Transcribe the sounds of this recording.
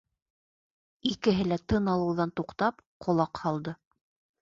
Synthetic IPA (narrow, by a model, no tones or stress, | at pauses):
ikɘ̆ɦɘ̆læt̪ɤnɑlˠɤ̆wðɑnt̪uqt̪ɑpqʰŏlˠɑqhɑlˠd̪ɤ